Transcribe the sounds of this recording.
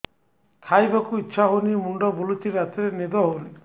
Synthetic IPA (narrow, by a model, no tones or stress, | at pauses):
t̪ʰajbakuitːʃʰaɦonimuɳɖɔbulut̪iɾat̪eɾened̪ɔɦoni